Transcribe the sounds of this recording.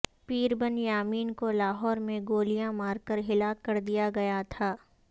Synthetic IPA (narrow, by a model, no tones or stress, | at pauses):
piːɾbənjaːmiːnkolaːɦɔːɾmẽɡoːlijãmaːɾkəɾɦɪlaːkːɐɾd̪ijaɡɐjat̪ʰaː